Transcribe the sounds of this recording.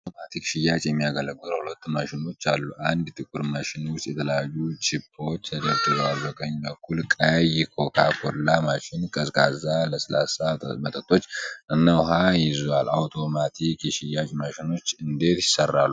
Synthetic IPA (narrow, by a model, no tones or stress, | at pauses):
awt̪omat̪ʰikʃɪjat͡ʃʼjɛmːijaɡələɡɨlhulət̪ːmaʃɪno̞t͡ʃːalːuʔand̪t̪ʰʼɨkʼuɾmaʃɪnwʊst̪ʼjɛt̪ʰələjajːut͡ʃʼɪpʰːo̞t͡ʃːt̪ʰəd̪əɾt̪ʼɨzalbəkəɲːbəkːulkʼajɪkʰo̞kʰakʰolːamaʃɪnkʼəskʼazaləsla̰samət̪ʼət̪ʼːo̞t͡ʃːʔɨnːawʊɦajɪzualawt̪ʰo̞mat̪ʰikjɛʃɪjːat͡ʃʼmaʃɪno̞t͡ʃːɨnd̪e̞t̪jɪsərːa̰lːu